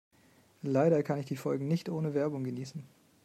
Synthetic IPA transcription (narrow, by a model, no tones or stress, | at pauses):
laɪɾɐkʰanɪçd̥iːfɔlɡŋ̩nɪçtʔoːnəvɛɐbʊŋɡəniːsn̩